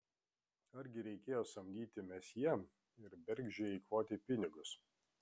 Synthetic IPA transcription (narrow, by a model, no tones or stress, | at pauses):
ɐɾʲɡʲɪɾʲɛɪkʲeːjoːsɐmʲd̪ʲiːt̪ʲɪmʲɛsʲjiɛm | ɪɾbʲɛɾʲɡʲʒʲeːɪːkʋoːt̪ʲɪpʲɪnʲɪɡʊs